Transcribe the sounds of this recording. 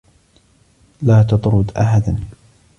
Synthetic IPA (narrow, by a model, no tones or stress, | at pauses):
laːt̪ɑt̪ˤɾʊd̪ʔaħad̪an